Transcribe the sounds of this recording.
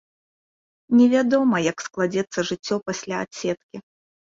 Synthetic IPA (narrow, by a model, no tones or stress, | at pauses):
nʲɛvʲad̪ɔmɐjɐksklˠad͡zʲɛt̪sːɐʐɨt͡sʲːɔpasʲlʲaːtsʲɛt̪kʲi